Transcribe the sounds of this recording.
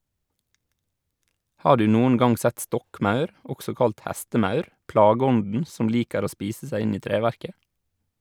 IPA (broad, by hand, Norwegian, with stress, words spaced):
ˈhɑː ˈɖʉː ˈnuːən ˈɡɑŋ ˈsɛt ˈstɔkˌmɑʉɾ ˈɔɡsɔ ˈkɑlt ˈhɛstəˌmɑʉɾ ˈpɽɑːɡəˌɔndən ˈsʊm ˈliːkəɾ ˈoː ˈspiːsə ˈsæɪ ˈɪn ˈiː ˈtɾeːʋæɾkə